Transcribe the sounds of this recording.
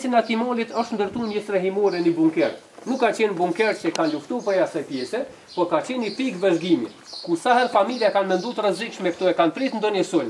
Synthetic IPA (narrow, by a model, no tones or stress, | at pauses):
sinat̪imɔlit̪ɔʃt̪nd̪əɾt̪unɛsɾɛɦimuɾɛnibuŋkɛɾ | nukːat͡ɕɛnbuŋkɛɾt͡ɕɛkanluft̪upɛjasajpjɛsɛ | pɔɾkat͡ɕɛnipikvɛzɡimjɛ̰ | kusaɦɛlfamiljakanmɛnd̪ut̪ɾəzikʃmɛkt̪ɔɛkanpɾit̪nd̪ɔnjɛsul